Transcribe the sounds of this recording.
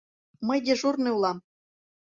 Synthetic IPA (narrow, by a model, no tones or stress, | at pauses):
məjd̪ʲeʒurnɨulˠɑm